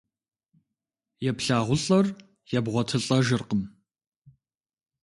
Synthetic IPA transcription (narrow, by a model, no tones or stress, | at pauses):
jɛpɬaːʁʷʊɬʼɐr | jɛbʁʷɔtʰɨɬʼɐʒɨrqəm